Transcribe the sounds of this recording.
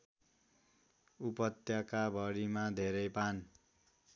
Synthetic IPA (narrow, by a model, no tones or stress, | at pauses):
upʌt̪jakabʱʌɽimad̪ʱeɾʌjpan